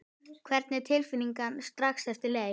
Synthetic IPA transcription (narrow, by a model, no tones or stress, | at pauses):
kʰvɛɾt̪nɛɾ̥t̪ʰɪlfɪnːiŋkanst̪ɾaxsθɛft̪ɪleː